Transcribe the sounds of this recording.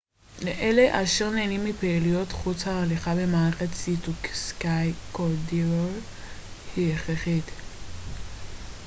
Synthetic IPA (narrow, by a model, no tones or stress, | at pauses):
leʔe̞le̞ʔaʃeʁneːnimːipeilijo̞tχut͡shaːliχabe̞maʁeχesitukskajkoɾdiʁol | hieχeχit̪